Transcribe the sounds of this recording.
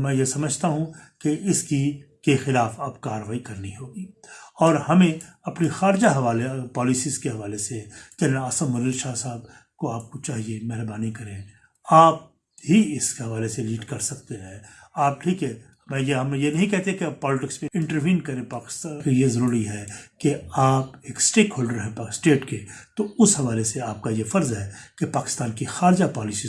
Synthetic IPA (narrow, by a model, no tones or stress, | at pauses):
mɛ̃ːjesɐməd͡ʒʱt̪aɦũkeɪski | kexɪlaːfaːpkaːɾəʋaːikɐɾniɦoːɡiːɔːɾhɐmẽɐpnixaːɾɪd͡ʒaɦɐʋaːlepɔːlɪsizkeɦɐʋaːlesekɛneaːsə̃mːɐɾiːɾʃaːsaːb̚ | koaːp̚kot͡ʃaːɦiemɛɦɾbaːnikɐɾẽː | aːp̚ | ɦiɪskeɦɐʋaːleseliːɖkɐɾsɐk̚t̪eɦɛ̃ː | aːp̚ʈʰiːkɦɛ | mɛ̃ːjeɦɐmjenɐɦĩkɛɦt̪eɦɛkepɔːlɪʈɪkspẽɪ̃ɳʈəɾʋĩːnkɐɾẽpaːkɪ̥st̪akijezɐɾuːɾiɦɛːkeaːpeːksʈeːkɦoːlɖəɾɦɛpaːsʈeːʈket̪oʊsɦɐʋaːleseaːp̚kajefɐɾzɦɛːkepaːkɪ̥st̪aːnkixaːɾd͡ʒapɔːlɪsi